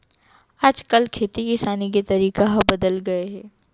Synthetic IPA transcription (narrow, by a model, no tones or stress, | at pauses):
aːd͡ʒkɐlkʰeːt̪ikisaːnik̬it̪ɐɾiːkaɦɐbɐd̪əlɡɐeɦɛː